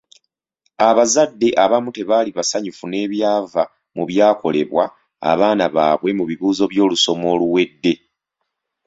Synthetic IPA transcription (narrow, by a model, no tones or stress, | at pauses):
aβazadːe̞ʔaβamute̞βaːliβasaɲufune̞ːβjaːva | muβjaːko̞le̞̰βwa̰ː | βaːnaβa̰ːβwe̞muβiβuːzo̞βjo̞ːluso̞mo̞ːluwe̞dːe̞